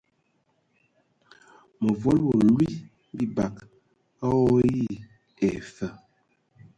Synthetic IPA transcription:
mə˨vo˦lwo˨lwi˦ | bi˦ba˨k | a˦ɔ˦ji˦˨ | ɛ˨fə˨

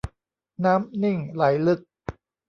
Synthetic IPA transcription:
naː˦˥mni˥˩ŋla˩˦jlɯ˦˥˩k̚

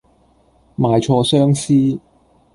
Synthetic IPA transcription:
maː˨jt͡ʃʰɔː˧sœː˥ŋsiː˥

